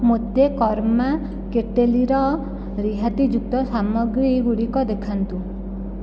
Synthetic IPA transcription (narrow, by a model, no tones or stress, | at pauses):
mod̪ekɔɾma | keʈeliɾɔ | ɾiɦat̪id͡ʒuk̚t̪ɔsamɔɡɾiɡuɽikɔd̪ekʰant̪u